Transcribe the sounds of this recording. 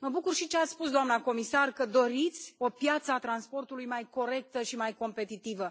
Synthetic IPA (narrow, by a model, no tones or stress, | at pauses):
məbukurʃit͡ʃeat̪spus̬d̪oamnako̞misarkəd̪o̞ɾit̪sʲo̞pjat̪səat̪ɾanspo̞rt̪ulujmajko̞ɾe̞k̚t̪əʃimajko̞mpe̞t̪it̪ivə